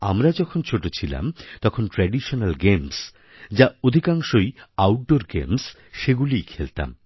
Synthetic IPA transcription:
a̰mɾad͡ʑɔkʰont͡ɕʰoʈot͡ɕʰila̰mt̪ɔkʰonʈɾɛɖiʃonalɡems | d͡ʑaod̪ʱikaŋʃojawʈ̚ɖoɾɡḛms | ʃeɡulijkʰelt̪a̰m

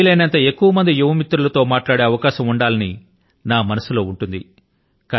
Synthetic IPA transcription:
lɐːnɐnt̪ɐe̞kːuʋɐmɐnd̪ijuʋɐmit̪ːɾulɐt̪o̞ːmaːʈlaːɽe̞ːɐʋɐkaːʃɐmuɳɖaːlɐni | naːmɐnɐsulo̞ːuɳʈund̪i | ka

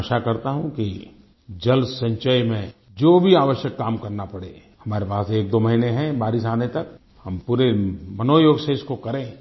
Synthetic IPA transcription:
ʃakɐɾt̪aɦũki | d͡ʒɐlsə̃ɲt͡ʃəjmẽ | d͡ʒoːbʱiaːʋəʃjəkːaːmkɐɾnapɐɽḛː | hɐmaːɾepaːseːk̚d̪oːmɐɦineɦɛ̃baːɾɪsaːnet̪ɐk | hɐmpuːɾemɐnoːjoːɡseɪskokɐɾẽː

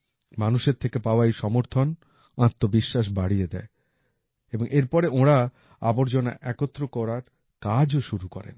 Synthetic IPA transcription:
manuʃeɾt̪ʰekepaoajʃɔmoɾt̪ʰon | ãt̪ːobiʃːaʃ̬baɽijed̪ɛ̰e | eboŋʔeɾpɔɾeõɾa | a̰boɾd͡ʑona̰ʔɛkot̪ːɾokɔɾaɾ | kad͡ʑoʃuɾukɔ̰ɾḛn

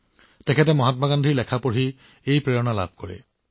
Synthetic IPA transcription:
tɛkʰɛt̬ɛmɔɦatmaɡandʱiɹlɛkʰapoɹɦi | ejpɹeɹɔnala̰b̚ʱkɔɹɛ̰

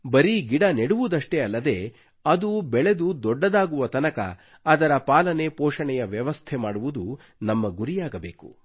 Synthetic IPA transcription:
bɐɾiɡiɽɐneɽuʋud̪ɐʂʈeɐlːɐd̪e̞ː | ɐd̪ubɛɭe̞d̪ud̪ɔɖːɐd̪aːɡuʋɐt̪ɐnɐkɐ̰ː | d̪ɐɾɐpaːlɐne̞poːʂɐɳɛjɐʋjɐʋɐst̪ʰemaːɽuʋud̪u | nɐmːɐɡuɾijaːɡɐbe̞ːku

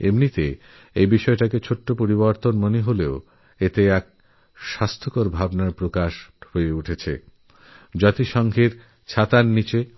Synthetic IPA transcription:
ḛmnit̪e | ejbiʃɔeʈaket͡ɕʰoʈːopoɾiboɾt̪onmoneɦoleo | et̪eɛk̚ | ʃast̪ʰokoɾbʱabnaɾpɾokaʃhoeuʈʰet͡ɕʰḛ | d͡ʑɔt̪iʃɔŋɡʱeɾ | t͡ɕʰat̪anːit͡ɕe

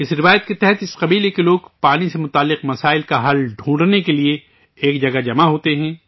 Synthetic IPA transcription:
ɪsɾɪʋaːjət̪̚ket̪ɛɦɛt̪ɪsqɐbiːlekeloːɡpaːnisemʊt̪aːlːɪqmɐsaːɪlkaɦɐlɖʱũːɳɖnekelie | eːkd͡ʒɐɡad͡ʒɐmaɦoːt̪eɦɛ̃ː

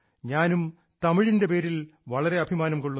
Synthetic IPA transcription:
ɲaːnum | t̪ɐmiɻinde̞pe̞ːɾilʋɐɭɐɾe̞ɐbʱimaːnɐmko̞ɭːu

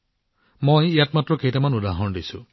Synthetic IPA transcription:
mojijatmatɹɔkeɦjtamanud̪aɦɔnɔdisṵ

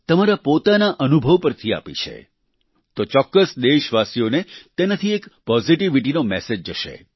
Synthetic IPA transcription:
t̪əmaɾapot̪anaʔənubʱəʋpəɾt̪ʰia̰pḭt͡ʃʰḛ | t̪ot͡ʃɔkːəsd̪eʃʋasijonet̪enat̪ʰiekpɔziʈiʋiʈinomɛsed͡ʒːəʃḛ

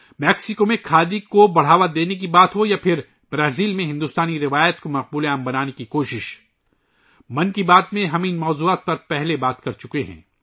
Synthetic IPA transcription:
mɛːksɪkomẽkʰaːd̪ikobɐɽ̤aːʋad̪eːnek̬ibaːt̪ɦojapʰɪɾ | bɾaːziːlmẽɦɪ̃nd̪ʊst̪aːniɾɪʋaːjət̪komɐq̚buːleaːmbɐnaːnekikoːʃɪʃ | mɐ̃nkibaːt̪mẽɦɐmɪnmɔːzuːaːt̪̚pɐɾpɛɦlebaːt̪kɐɾt͡ʃʊkeɦɛ̰̃ː

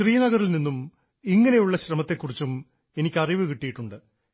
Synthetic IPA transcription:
ɕriːnɐɣɐrilninːum | iŋːɐne̞juɭːɐɕrɐmɐt̪ːe̞kːurit͡ɕːum | e̞nikʲːɐriʋɨkiʈːijiʈːuɳɖɨ

